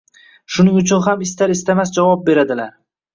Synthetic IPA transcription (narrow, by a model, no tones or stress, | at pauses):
ʃʊnɪŋʊt͡ʃʰʊnɦamɪst̪ʰaɾɪst̪ʰamasd͡ʒavɒp̚be̞ɾad̪ɪlaɾ